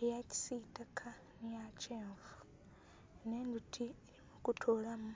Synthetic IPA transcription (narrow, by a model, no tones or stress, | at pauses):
jaci̥sitakʰa | nijat͡ʃeːɱvu | neːndutʰi | mukutʰolamu